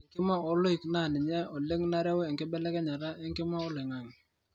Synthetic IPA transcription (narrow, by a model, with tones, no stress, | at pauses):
ŋkɪ˦ma˦ɔ˨lʊ˦i˨kna˦˨nɪ˨ɲɛ˦ɔ˨le˦ŋna˦ɾɛ˦we˨ŋkɪ˦bɛ˦lɛ˦kɛ˦ɲa˨ɾa˦e˦ŋkɪ˦ma˦ɔ˦lɪ˨ŋa˨ŋ